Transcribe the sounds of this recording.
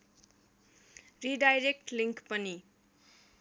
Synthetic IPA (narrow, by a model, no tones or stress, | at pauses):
riɖajɾek̚ʈliŋkpʌni